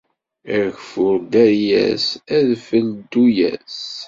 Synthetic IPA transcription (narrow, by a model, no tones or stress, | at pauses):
æɾçfʊɾd̪æɾjæ̰sæðfəld̪ːujæ̰s